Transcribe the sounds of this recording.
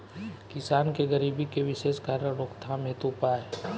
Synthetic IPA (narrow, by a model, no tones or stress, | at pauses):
kɪsaːnkeɡəɾiːbikeʋɪʃeːʃkaːɾjəɾokt̪ʰãmet̪upaːe